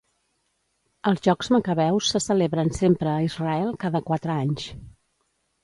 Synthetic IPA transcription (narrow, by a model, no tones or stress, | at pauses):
əlˠzʒɔkzməkəβɛwsːəsəleβɾənsempɾəːizrəɛlˠkaðəkwat̪ɾəaɲs